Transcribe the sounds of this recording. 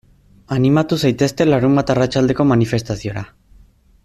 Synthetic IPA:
animat̪usajt̪e̞st̪e̞laɾumbat̪arat͡ʃald̪e̞ko̞manife̞st̪asio̞ɾa

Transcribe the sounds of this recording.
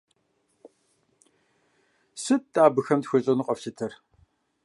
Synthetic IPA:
sɨt̚tʼaːbɨxɐmtxʷɨɕʼɐnɨqʼɐfɕɐtʰɐr

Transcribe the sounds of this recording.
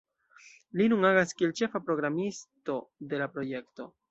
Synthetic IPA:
linunaɡaskie̞lt͡ʃe̞fapɾo̞ɡɾamisto̞de̞lapɾo̞je̞kto̞

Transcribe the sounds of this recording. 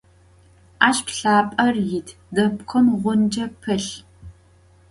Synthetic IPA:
aːɕpɬaːpʼɐrjɪtʰ | dɐpxʰʷɔmʁʷʊnd͡ʒɐpʰɨɬ

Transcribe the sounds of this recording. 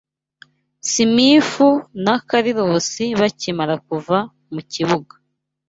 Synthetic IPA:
simifunakaɾiɾosiβacimaɾak̚uva | muciβuɡḁ

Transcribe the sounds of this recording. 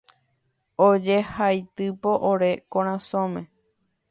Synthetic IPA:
od͡ʒehajt̪ɨpo̞ʔoɾe̞kõɾ̃ãsõmẽ

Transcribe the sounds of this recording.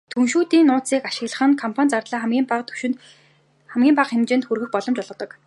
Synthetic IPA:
t̪ʰunʃuːt̪iːnːʊːt͡siːkaʃɪ̆ɣɮə̆χə̆ŋkʰɔmpʰanʲt͡sart̪ɮaːiːt̪ʰu̥ʃ | χæmɡʲiːmpaχxemt͡ɕɪ̆nt̪xurɣɘ̆k̚pɔɮɞ̆mt͡ɕɔɮʁ̆ɞ̆t̪ɞ̆k

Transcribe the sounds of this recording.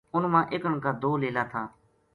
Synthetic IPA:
ʊnmãːʔeːkəɳkaːd̪ʱoːleːlaːt̪ʰaː

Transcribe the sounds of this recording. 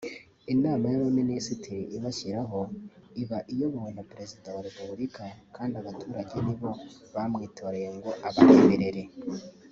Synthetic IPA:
inaːmajaɾominisitʰiɾiiβaʃiɾaɦo̞iβaʔijo̞βoonapɾe̞zidawaɾepubuɾikʰakʰaːndiaβatʰuːɾaɟe̞niβo̞βamŋiːto̞ːɾe̞je̞ŋɡo̞ʔaβahemeɾe̞ɾe̞

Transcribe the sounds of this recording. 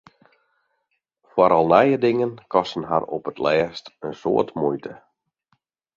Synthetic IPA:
fwaɾɔlˠnɛjədɪŋənkɔstn̩ɦa̰rɔpətlɛːstənso̰ːtmujtə

